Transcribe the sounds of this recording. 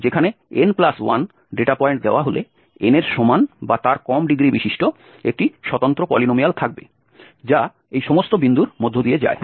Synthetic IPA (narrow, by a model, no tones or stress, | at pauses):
d͡ʑekʰaneenplaswan | ɖeʈapɔeɳʈ̚d̪eoaɦolḛ | eneɾʃomanbat̪aɾkɔmɖiɡɾibiʃiʃʈo | ek̚ʈiʃɔt̪ont̪ɾopɔlinomialt̪ʰak̚be | d͡ʑa | ejʃɔmost̪obind̪uɾmod̪ʱːod̪ied͡ʑa̰e